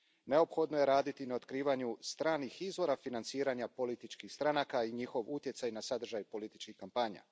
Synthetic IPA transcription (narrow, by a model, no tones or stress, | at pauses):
ne̞opxo̞d̪nojeɾaːd̪it̪inaot̪kɾiːʋaɲust̪ɾaːnixizʋo̞ɾafinant̪siːɾaɲapo̞lit̪it͡ʃkixst̪ɾanakaiɲixo̞ʋut̪je̞t̪sajnasad̪r̩ʒajpo̞lit̪it͡ʃkixkampaɲa̰